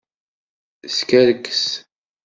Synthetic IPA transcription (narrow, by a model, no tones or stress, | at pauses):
skæɾəkːə̥s